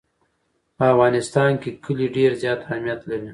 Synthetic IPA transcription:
pəafɣɑnɪst̪ɑnkekʰəliɖeɾzjɑt̪ahmjat̪laɾi

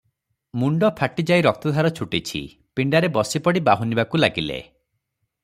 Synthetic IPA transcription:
muɳɖɔpʰaʈid͡ʒajɾɔk̚t̪ɔd̪ʱaɾɔt͡ʃʰuʈit͡ʃʰḭ | piɳɖaɾebɔsipɔɽibaɦunibakulaɡilḛ

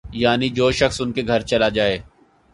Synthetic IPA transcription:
jaːnid͡ʒoːʃɐxsʊnkeɡʱɐɾt͡ʃɐlad͡ʒaːeː

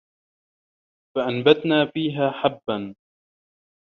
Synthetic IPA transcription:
faʔanbat̪naːfiːɦaːħabːan

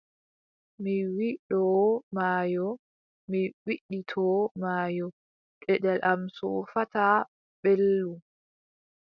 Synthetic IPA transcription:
miwiɗɔmaːjɔ | miwiɗːitʰɔːmaːjɔ | kɛɗɛlʔamsɔfata | ɓelːu

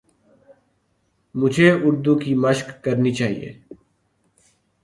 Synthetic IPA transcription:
mʊd͡ʒʱeʊɾd̪uːkiːməʃkːəɾnit͡ʃaːɦḭjḛː

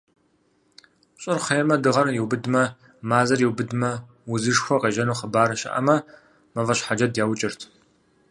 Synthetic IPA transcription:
ɕʼɨrχejmɐdɨʁɐnjɛwbɨdmɐ | maːzɐrjiwbɨdmɐ | wʊzɨʂxʷɔqeːʒɐnuːχəbaːɾɐʃɐ̰ʔɐ̰mɐ | mɐvɐɕħad͡ʒɐdjaːwt͡ʃʼɪrtʰ

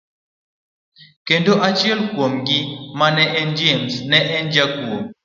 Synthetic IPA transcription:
kendoʔat͡ʃiɛlkwomɡɪmanɛʔɛnd͡ʒemsnɛʔɛnd͡ʒakwom

